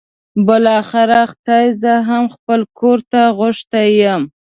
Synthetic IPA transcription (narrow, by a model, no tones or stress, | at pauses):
bəlɑxɪɾaxt̪ɑjzəɦamxpəlkʰoɾt̪aɣʊʃt̪ajəm